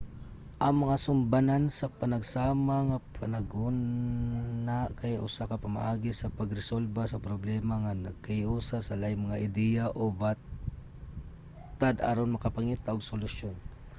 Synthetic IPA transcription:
ʔɐŋmɐŋasʊmbanansɐpɐnɐɡsaːmaŋapʰɐnɐɡun | akajʔʊ̰sakɐpɐmaʔaɡɪsɐpɐɡɾɛsolbasɐpɾoblɛmaŋanɐɡ̚kaɪʔuːsasɐlajmɐŋaʔɪd̪ɛjaʔobat | t̪ad̪a̰ɾonmɐkɐpɐŋiːt̪aʔoɡsʊlʊʃjon

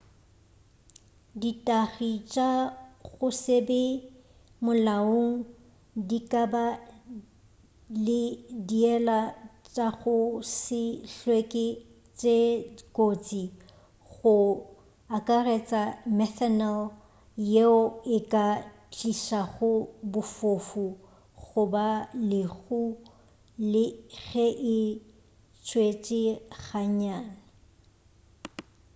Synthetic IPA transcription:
ditʼaɣit͡ʃʼaɣʊsebɛ | mʊlaoŋ̩ | dikʼaba | lɪdiɛlat͡ʃʼaɣʊsɪɬwekʼɪ | t͡ʃʼekʼot͡sʼi | ɣʊ | akʼaret͡sʼamɛθɛnal | jeʊɪkʼa | t͡ɬʼiʃaɣʊbʊfofu | ɣʊbalɪɣu | lɪɣɛʔɪ | t͡ʃʰʼwet͡ʃʼɪɣaɲaːna

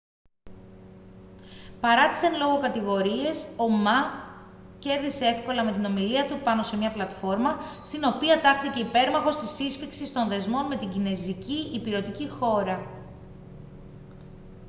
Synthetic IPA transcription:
pɐɾɐt̪i̥senlo̞ɣo̞kɐt̪iɣo̞ɾie̞so̞mɐ | ce̞ɾðisee̞fko̞lɐme̞t̪ino̞miliɐt̪upɐno̞se̞mɲɐplɐt̪fo̞ɾmɐst̪ino̞piɐt̪ɐɾθice̞ipe̞ɾmɐxo̞st̪isisfiksist̪o̞nðe̞zmo̞nme̞t̪iɟine̞ziciːpiɾo̞t̪icixo̞ɾɐ

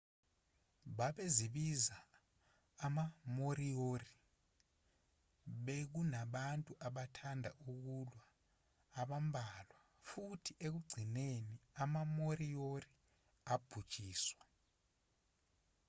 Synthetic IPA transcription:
ɓaɓeziɓizaː | mamoɾiori | ɓek̬unaɓantʼuʔaɓatʰandʱa̰ʔuk̬ulwaː | ɓambʱalwa | futʰiʔek̬uɡ͡ǀʱineniamamoɾiori | ab̥ʱud̥t͡ʃʼiːswa

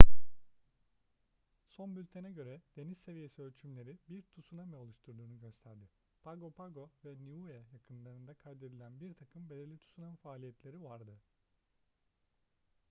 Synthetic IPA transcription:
so̞nbylʲt̪ʰenɛɟø̞ɾɛd̪̥e̞nizse̞vije̞siølʲt͡ʃʰymlʲe̞ɾibiɾt̪ʰusunamɛo̞lˠuʃt̪ʰuɾd̪uːnɯɟø̞st̪ʰæɾd̪ɪ | pʰaɡo̞pʰaɡo̞vɛniuɛjakʰɯnlˠaɾɯnd̪akʰajd̪e̞d̪ilʲænbiɾt̪ʰakʰɯmbelʲiɾlʲit̪ʰu̥sunanfaːlʲijɛt̪lʲe̞ɾivaɾd̪ɯ

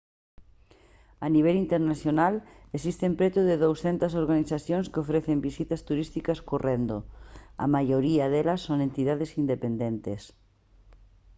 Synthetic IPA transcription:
aniβ̞elint̪eɾnaθjonalesist̪empɾet̪uðɪðowsθent̪asoɾɣaniθaθjõŋskɪofɾeθembisit̪ɐst̪uɾist̪ikaskorend̪oa̰majoɾiaðelasːoŋẽnt̪iðaðesind̪epend̪ent̪es

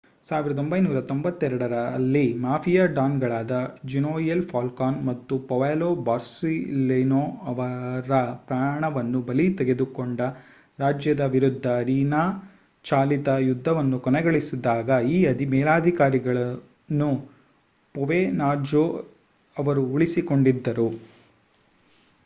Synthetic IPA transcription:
saːʋiɾɐd̪ombɐjnuːɾɐt̪o̞mbɐt̪ːɛɾɐɽɐɾɐlːimaːpʰijaːɖaːnɡɐɭaːd̪ɐd͡ʒinoːjelpʰaːlkaːnmɐt̪ːupɔʋeːloːbaːɾsilenoːɐʋɐɾɐpɾaːɳɐʋɐnːubɐlit̪ɛɡe̞d̪ukoɳɖɐ | ɾaːd͡ʒjɐd̪ɐʋiɾud̪ʱːɐɾiːnaː | t͡ʃaːlit̪ɐjud̪ʱːɐʋɐnːukɔnɛɡɐɭisid̪aːɡɐiːɐd̪imɛːlaːd̪ʱikaːɾiɡɐɭɐ | nːu | pɔʋeːnaːd͡ʒo | ɐʋɐɾuːɭisiko̞ɳɖid̪ːɐɾu

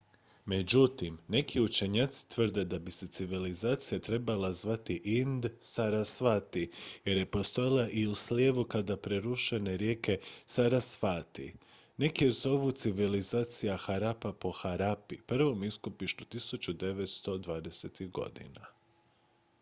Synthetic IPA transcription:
me̞d͡ʑut̪imne̞kʰiut͡ʃe̞ɲat̪si̥t̪ʋər̩d̪e̞d̪abise̞t̪siʋilizaːt̪sijat̪ɾe̞balazʋat̪iʔind̪saɾasʋat̪ije̞ɾje̞po̞st̪o̞jilˠaʔiusljeːʋukad̪apɾe̞ɾuʃene̞ɾje̞ːke̞saɾasfaːt̪ḭ | ne̞kiezo̞ʋut̪siʋilizaːt̪sijaxaɾapapo̞xaɾapipr̩ʋo̞miskopiʃt̪ut̪isut͡ʃud̪e̞ʋe̞t̪st̪o̞d̪ʋaːd̪e̞set̪iɣɡo̞̰d̪ḭna

